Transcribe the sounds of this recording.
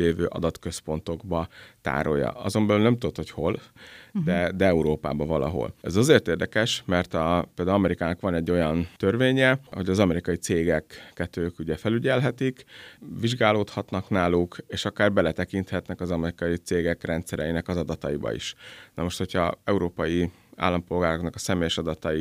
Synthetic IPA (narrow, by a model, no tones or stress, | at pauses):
leːvø̰ːʔɒ̰d̪ɒt̪kø̞spo̞nt̪o̞ɡbɒt̪a̰ːɾo̞̰jːɒ̰ɒzo̞mbɛlylnɛmt̪ud̪ot̪ho̞cho̞ld̪ɛd̪ɛɛuɾoːpa̰ːbɒvɒlʔɒ̰ɦo̰lɛzɒzeːrt̪eːrd̪ɛkɛʃmɛrt̪ɒpeld̪aːɒmɛɾikaːnɒkʋɒnɛɟːo̞jɒnt̪ørveːɲɛho̞ɟɒzɒmɛɾikɒjit̪seːɡɛkːɛt̪øːkuɟɛfɛlyɟɛlɦɛt̪ikviʒɡaːloːt̪hɒt̪nɒknaːlukeːʃɒkaːrbɛlɛt̪ɛkint̪hɛt̪nɛkɒzɒmɛɾikɒjit̪seːɡɛkrɛnt̪sɛɾɛjinɛkɒzɒd̪ɒt̪ɒjibɒ̰ḭʃnɒmo̞ʃt̪ho̞cʰɒ̰ɛuɾoːpɒji | a̰ːlːɒmpo̞lɡaːɾo̞knɒkɒ̥sɛmeːjɛʃɒd̪ɒt̪ɒji